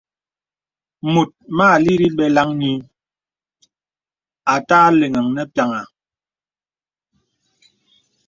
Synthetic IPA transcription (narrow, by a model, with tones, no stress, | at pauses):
mu˨t̚maː˦˨li˦ɾi˦ɓɛ˦la˦ŋɲi˦ | a˨taː˦le˨ŋa˨ŋnɛ˦pja˨ŋa˨